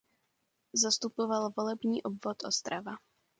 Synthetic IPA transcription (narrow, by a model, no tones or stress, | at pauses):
zast̪upovalvolɛbɲiːʔobvot̪ʔost̪ɾava